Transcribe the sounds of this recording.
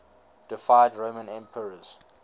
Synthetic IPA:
d̥ɪfaɪdɹoʊmə̃nɛ̃mpʰəɹəz̥

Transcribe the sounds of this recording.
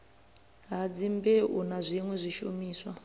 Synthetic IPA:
ɦad͡zimbɛunazʷiŋwɛzʷiʃumiːswa

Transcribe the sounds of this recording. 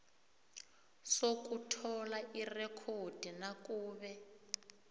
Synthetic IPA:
sokutʰɔlaʔirɛkʰod̥ʱinakʼuːβɛ

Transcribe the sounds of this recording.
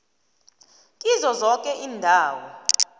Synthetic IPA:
kʼizɔzɔkʼɛʔiːndʱaːwɔ

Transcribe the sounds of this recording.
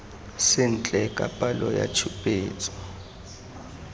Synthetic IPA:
sɪn̩t͡ɬʼɛkʼapʼalɔja̰t͡ʃʰupʼeːt͡sʼɔ̥

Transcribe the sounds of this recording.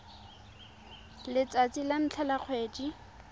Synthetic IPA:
lɪt͡sʼat͡sʼilan̩t͡ɬʰɛlaq͡χʰweːd͡ʒi

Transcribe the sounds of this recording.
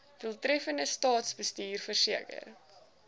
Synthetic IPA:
vəlˠtɾɛfəndəstɑːtsbəstiːrfərsiəkə̰r

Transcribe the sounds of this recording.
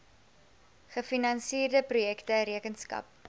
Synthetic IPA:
χəfinɐnsiːrdəprujɛktəɾiəkənskɐ̰p̚

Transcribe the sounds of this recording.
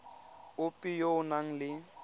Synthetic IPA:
ʊpʼijoʊnaŋ̩lɪ

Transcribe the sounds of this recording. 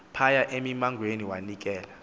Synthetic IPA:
pʰajaʔemimaŋɡʱweniwanik̬ɛːla

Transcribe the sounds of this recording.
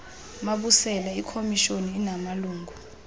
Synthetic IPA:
maɓusɛlaikʰomiʃoniːnamaluːŋɡʱu

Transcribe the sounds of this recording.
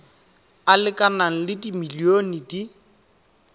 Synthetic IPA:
alɪkʼanaŋ̩lɪdimilionidi

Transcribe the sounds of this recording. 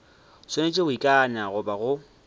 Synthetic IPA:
senet͡ʃʼeʊikʼanaɣʊbaɣʊ

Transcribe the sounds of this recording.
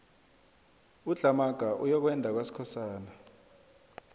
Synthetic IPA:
uɮʱamaɡ̥ʱaʔujɔk̬wɛndʱak̬wasi̥kʰɔsaːna

